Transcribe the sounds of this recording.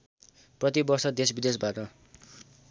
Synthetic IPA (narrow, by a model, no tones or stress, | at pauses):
prʌt̪ibʌrsʌd̪esbid̪esbaʈʌ